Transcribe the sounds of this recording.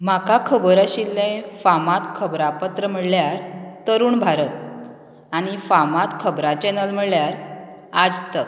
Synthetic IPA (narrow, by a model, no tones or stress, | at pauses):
m̤akakʰəbəɾaɕilːẽfamat̪kʰəbɾapət̪ɾəm̤əɽljaɾt̪əɾuːɳbʱaɾət̪̚ | aɽ̃ifamat̪kʰəbɾat͡ɕɛnəlm̤əɭljaɾad͡zt̪ək